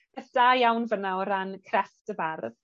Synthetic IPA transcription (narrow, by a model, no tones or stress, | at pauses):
əθd̥ajawnvənaɔɾankʰrɛftəbarð